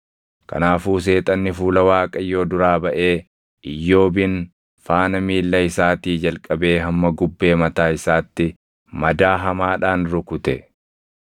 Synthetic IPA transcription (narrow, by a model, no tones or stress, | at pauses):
kɐ̰naːfuːs̬e̞ːt̪ʼɐnːɪfuːlɐwaːkʼɐjːo̞ːd̪ʊɾaːbɐʔe̞ː | ʔɪjːo̞ːbɪn | faːnɐmiːlːɐɪsaːt̪iːd͡ʒɐlkʼɐbe̞ːɦɐmːɐɡʊbːe̞ːmɐt̪aːɪsaːt̪ːɪ | mɐd̪aːɦɐmaːᶑaːnɾʊkʊt̪ɛ